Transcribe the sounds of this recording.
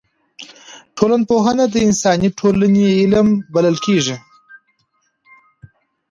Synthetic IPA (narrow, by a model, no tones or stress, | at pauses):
ʈʰolanpoɦənad̪əɪnsɑniʈʰolaneɪlmbaləlkeʐi